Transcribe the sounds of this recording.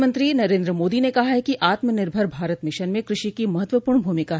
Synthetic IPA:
mə̃nt̪ɾinɐɾẽːnd̪ɾəmoːd̪inekɐɦaɦɛkiʔaːt̪mənɪɾbʱəɾbʱaːɾət̪mɪʃənmẽkɾɪʃikimɐɦət̪ʋəpuːɾɳbʱuːmɪkaɦ

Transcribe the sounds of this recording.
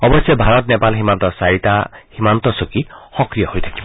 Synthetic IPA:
ɔbɔsjɔbʱaɹɔt̪nepalɦimant̪ɔsaɹit̪ahimant̪ɔsokixɔkɾijɔhojt̪ʰakibɔ

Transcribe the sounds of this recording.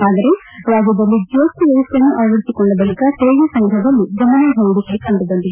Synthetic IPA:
aːd̪ɐɾe | ɾaːd͡ʒjɐd̪ɐlːid͡ʒoːst̪iʋɐʋɐst̪ːjɐnːuʔɐʋɐɽisikɔɭːɐbɐlikɐseːjɐsɐŋɡɾɐɦɐbɐlːid͡ʒɐmɐnɐbʱɐjuɽikɐɭikɐɳɖid̪ɐnd̪id̪

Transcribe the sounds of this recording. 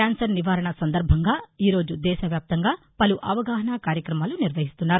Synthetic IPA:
aːnsɐɾniʋaːɾɐɳɐsɐnd̪ɐɾbʱɐŋɡaːiːɾo̞ːd͡ʒud̪ɛːʃɐʋjaːp̚t̪ɐŋɡaː | pɐluʔɐʋɐɡaːɦɐɳaːkaːɾjɐkɾɐmaːluniɾʋɐɦist̪unːaːɾu

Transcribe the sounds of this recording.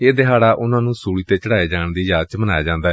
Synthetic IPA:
eːd̪ɪɦaːɽaːʔʊnãːnũːsuːɽiːt̪eːt͡ʃəɽaːeːd͡ʒaːɳd̪iːd͡ʒaːt͡ʃmənaːjaːd͡ʒãːnd̪aːɛ

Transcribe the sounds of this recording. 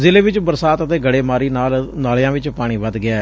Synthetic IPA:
zɪleːʋɪt͡ʃbəɾsaːt̪ət̪eːɡəɽeːmaːɾiːnaːlnaːljãːʋɪt͡ʃpaːɽ̃ĩːʋəd̪ɡɪɛː

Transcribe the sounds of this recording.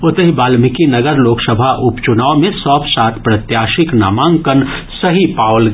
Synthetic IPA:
ʊt̪əɦibaːlmɪkinɐɡəɾloːksəbʱaʔʊpt͡ʃʊnaːomẽsɔːpsaːt̪ʰpɾɐt̪jaːʃɪkna̰ːmãːŋkənsɐɦipaːwl

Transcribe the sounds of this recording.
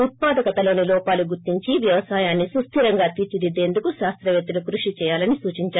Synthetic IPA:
ut̪̚paːd̪ɐkɐt̪ɐlo̞ːnilɔːpaːluɡuɾt̪iɲt͡ʃiʋjɐʋɐsaːjaːnːisust̪ʰiɾɐŋɡaːt̪iːɾt͡ʃid̪id̪e̞ːnd̪ukuʃaːst̪ɾɐʋjet̪ːilukɾuʂit͡ʃɛːjaːlɐnisuːt͡ʃiɲt͡ʃaːɾ

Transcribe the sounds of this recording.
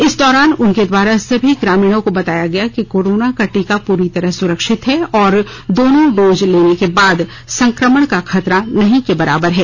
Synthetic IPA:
ɪsd̪ɔːɾaːnʊnked̪waːɾasɐbʱiɡɾaːmiːɽ̃õkobɐt̪aːjaɡɐjakikoːɾoːnakɐʈikapuːɾit̪ɐɾəɦsʊɾəkʃɪt̪ɦɛɔːɾ | d̪oːnõɖoːzleːnekebaːd̪ | sɐ̃ŋkɾəməɽ̃kaxʰɐt̪ɾanɐɦĩkebɐɾa̰ːbəɾɦɛː

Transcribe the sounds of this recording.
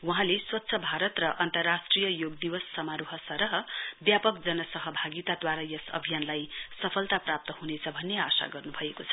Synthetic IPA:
wuɦãleswʌt̪ːsʰʌbʱaɾʌt̪rʌʔʌnt̪ʌrːasʈrijʌjoɡ̚d̪iwʌsːʌmaɾuɦʌsʌɾʌɦʌbjapʌkd͡zʌnʌsʌɦʌbʱaɡit̪ad̪waɾajʌsʌ̰bʱijanlajsʌpʰʌlt̪aprap̚t̪ʌhunet͡sʰʌbʱʌnːeasa̰ɡʌrnubʱʌekot͡sʰʌ̥

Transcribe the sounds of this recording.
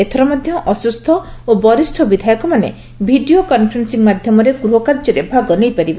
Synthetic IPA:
et̪ʰɔɾɔmad̪ʱjɔʔɔsust̪ʰɔobɔɾisʈʰɔbid̪ʱajɔkɔmanḛ | bʱiɖiokɔnpʰɾensiŋmad̪ʱjɔmɔɾeɡɾuɦɔkaɾd͡ʒɔɾebʱaɡɔnejpaɾibe

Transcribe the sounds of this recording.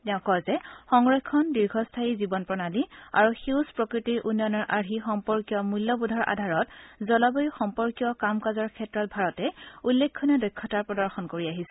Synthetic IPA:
tɛʊ̃kɔlzɛxɔŋɹɔkʰːɔndiɹɡʱɔstʰaizibɔnpɹɔnalia̰ɹuxuspɹɔkɹitiɹʔunjɔnɔɹʔaɹɦixɔmpɔɹkijɔmulːɔbudʱɔɹʔa̰dʱaɹɔtzɔlɔbɔjixɔmpɔɹkijɔkamkazɔɹkʰɛtɹɔt̚bʱaɹɔtɛulːekʰːɔniadɔjkʰːɔtaɹpɹɔdɔɹxɔnkoɹiaɦisɛ

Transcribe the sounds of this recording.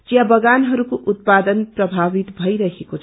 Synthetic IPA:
t͡ʃjabʌɡanɦʌɾukoʔut̪̚pad̪ʌnprʌbʱaβit̪bʱʌjɾʌɦekot͡sʰ

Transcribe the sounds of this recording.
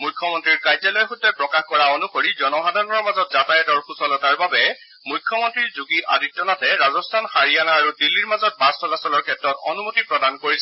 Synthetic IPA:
mujkʰːjɔmɔntɹiɹkajzalɔjxudːɛpɹɔkaxkɔɹaonukoɹizɔnɔxadʱaɹnɔɹmazɔt̚zatajɔdɔɹxʰusɔlɔtaɹbabɛ | mujkʰːɔmɔntɹiɹzuɡiʔa̰ditːɔnatɛɹazɔstʰanxaɹijanaːɹudilːiɹmazɔt̚pãstɔlasɔlɔɹkʰɛtːɹɔtɔnumotipɹɔdankoɹisɛ

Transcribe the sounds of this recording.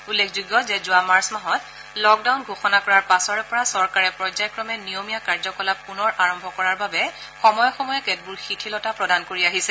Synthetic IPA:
ulːekʰzuɡːɔzɛzʊamaɹsmaɦɔt | lɔk̚dawnɡʱoxɔnakɔɹaɹpasɔɹɛpɔɹasɔɹkaɹɛpɹɔzajkɹɔmɛnijomijakaɹzɔkɔlapunɔɹʔaɹɔmbʱɔkɔɹaɹbabɛ | xɔmɔjɔxɔmɔjɛkɛt̚buɹxitʰilɔtapɹɔdankoɹiaɦisɛ

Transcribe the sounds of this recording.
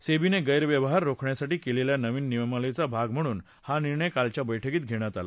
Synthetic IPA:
sebineɡəjɾʋjəʋəɦaɾːokʰɳjasaʈiːkeleljanəʋiːnːiʋmaləjt͡sabʱaɡm̤əɽ̃uːn | haniɾɳəjkalt͡ɕjabəjʈʰəkiːt̪̚ɡʱeɽ̃jat̪ala̰

